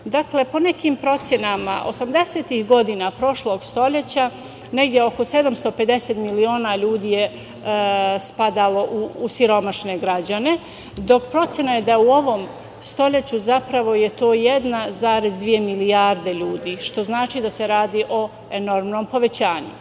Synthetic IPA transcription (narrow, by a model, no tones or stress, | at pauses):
d̪akle̞po̞ne̞kiːmpɾo̞t̪sje̞nama̰ʔo̞̰samd̪e̞seːt̪ihɡo̞d̪inapɾo̞ʃlˠo̞ːɡst̪oʎe̞t͡ɕa | ne̞ɡd̪ʲjeo̞ko̞se̞d̪amst̪o̞pe̞d̪e̞set̪milio̞ːnaʎuːd̪iːje | spad̪alo̞ʔuːsiɾo̞maʃne̞ɡɾad͡ʑane̞ | d̪o̞kpɾo̞t̪sʲjenaje̞d̪aeuo̞ʋo̞m | st̪o̞ʎe̞t͡ɕuzapɾaʋo̞je̞t̪o̞ːjed̪nazaːɾe̞zd̪ʋije̞miliaɾd̪e̞ʎuːd̪iːʃt̪o̞znaːt͡ʃid̪ase̞ɾaːd̪iːʔo̞ | eno̞ɾmno̞ːmpo̞ʋe̞t͡ɕaːɲṵ